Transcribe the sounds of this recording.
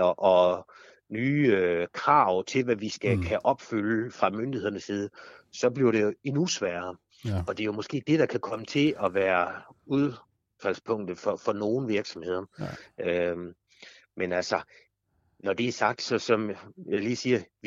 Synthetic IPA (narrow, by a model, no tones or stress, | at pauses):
ɐʔɒ̽ | nyːkʰʁɑ̈ʊ̰t͡sʰe̝lʋæʋisɡ̥ækʰæʔɒ̽b̥fyləfʁɑ̈mønd̥ihe̝ðˠɐnəsiːð̞̩ˠsɒ̽b̥liɐɾe̝jo̝enusʋæːɐ | ɒ̽d̥e̝jo̝mɔ̽sɡ̥e̝̰ːd̥e̝ɾ̥ɑ̈kʰækʰɒ̽mət͡sʰe̝lʔɒ̽ʋæːɐuð̞ˠ | fæl̰spʰɔ̽ŋ̰d̥ð̩fɒ̽fɒ̽no̝ːn̩ʋiɐɡ̥sɒ̽mhe̝ð̞̰ˠɐø | menælsɒ | nɒd̥e̝æsɑ̈ɡ̥̚d̥sɒ̽sɒ̽mjɑɪliːsiːɐ